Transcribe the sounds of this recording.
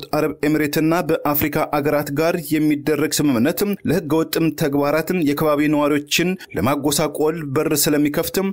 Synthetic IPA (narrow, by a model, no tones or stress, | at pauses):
t̪aɾəβe̞mɾe̞t̪ʰɨnːabəʔafɾikʰʼaʔaɡəɾat̪ɡaɾjɛmːid̪ːərːəɡsɨmɨmnːət̪ɨmləhɨɡːəwɔt̪ʼːɨmt̪ʰəɡbaɾat̪ɨmjɛkʰəβaβinəwaɾiwo̞t͡ʃːɪnləmaɡo̞sakʼo̞lbərsɨləmːikʰəft̪ʰɨm